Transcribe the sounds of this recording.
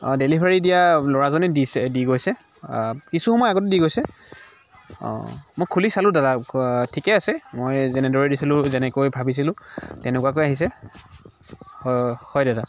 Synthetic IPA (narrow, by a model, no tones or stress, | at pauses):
delibʱaɹidijalɔɹazɔnɛdisɛdiɡojsɛ | kisuxɔmɔjaɡɔtɛdiɡojsɛ | mojkʰulisalʊ̃dadatʰikɛasɛmojzɛnɛdɔɹɛdisilʊ̃zɛnɛkojbʱabis̬ilʊ̃tɛnɛkuwakojaɦis̬ɛ | hɔjdada